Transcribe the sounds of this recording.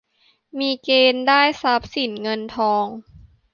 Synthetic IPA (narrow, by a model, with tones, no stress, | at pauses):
miː˧keː˧ndaː˥˩jsa˦˥p̚si˨˩˦nŋɤ˧nt̪ʰɔː˧ŋ